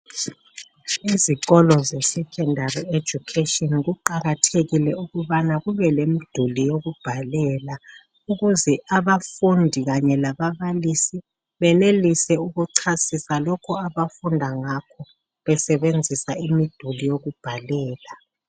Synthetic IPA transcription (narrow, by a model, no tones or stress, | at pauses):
iziɣɔlɔzɛsɛkʰɛndaried̥d͡ʒ̥ʱukʰetiɔnɣuǃaɣatʰeɣilɛuɣuβanaɣuβɛlemid̥ʱulijoɣub̥ʱalɛːla | uɣuzɛʔaβafundʱiɣaɲɛlaβaβalisi | βɛnelisɛuɣuǀʰasisalɔkʰɔaβafundʱaŋakʰɔ | βɛsɛβend͡zʱisaimid̥ʱulijoɣub̥ʱalɛːla